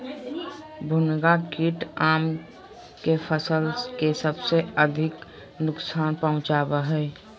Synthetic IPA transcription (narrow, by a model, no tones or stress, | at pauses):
bʱʊnɡakiʈaːm | kepʰəsəlkesəbseəd̪ʱɪk | nʊksaːnpəɦʊ̃t͡ʃaːbeɦɛː